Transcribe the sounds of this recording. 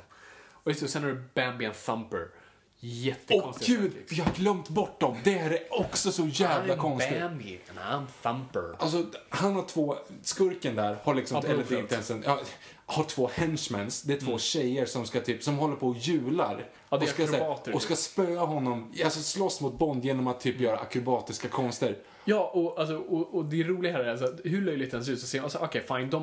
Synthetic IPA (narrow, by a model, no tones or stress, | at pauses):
ɔjʊst̪sɛnhaɖʉb̥æmbɪɛnθampəɾ | jɛt̪ːɔɔsɡʉ̟ːd̪vɪhaɡlœmt̪bɔʈːd̪ɔmd̪ɛæɾɛɔksɔsɔjæːvlakʰɔnst̪ɪmɪɛnnθampəals̬ɔhanhaʈʰv̥oːskɵɾkənd̪æɾhaɾɭɪksɔmɛlːəd̪ɛɪnt̪ɛnsənjɑː | haʈʰv̥oːhɛnʂmɛnsd̪ɛæʈʰvoːɕɛjːəɾʂɔmskat̪ʰyːpsɔmhɔlːəɾpʰɔjʉ̟ːlaɾ | ɔskasɾɛt̪ɔskaspøːaɦɔnːɔmalsɔslɔsːmʊt̪̚bɔnd̪jeːnɔmat̪ʰːyːpjœːɾaʔakɾʊbɑːt̪ɪskakʰɔnst̪əɾ | jɑːʔɔals̬ɔɔɔd̪ɛɛɾuːlɪɡhæːɾals̬ɔhɵɭœjlɪɡ̚t̪ɛns̬ʉt̪sɔseːasɔɔkʰɛfaɪnd̪ɔm